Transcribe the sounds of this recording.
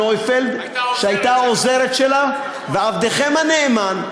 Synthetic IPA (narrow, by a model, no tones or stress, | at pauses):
ojfeld̪ | ʃeajt̪aaoze̞ɾet̪ʃe̞la | veavd̪eχe̞mhaneːman